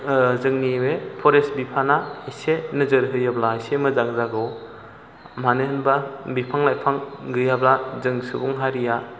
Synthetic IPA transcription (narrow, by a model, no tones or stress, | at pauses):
zɯŋniwepʰɔɾesbipʰanaijsenɯzɯɾɦɯjɯblajsemɯzaŋzaɡɯw | manɯɦɯnbabipʰaŋlajpʰaŋɡɯjablazɯŋsɯbuŋɦaɾija